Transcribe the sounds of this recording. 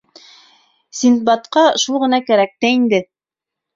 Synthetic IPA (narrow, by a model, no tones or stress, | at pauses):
sʲint̪̚bɑt̪qɑʃulˠʁɤ̆nɑkæɾæk̚t̪æind̪ɘ